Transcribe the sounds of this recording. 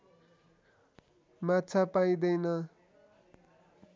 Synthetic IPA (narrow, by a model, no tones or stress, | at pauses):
mat͡sʰapaj̃d̪ʌjnʌ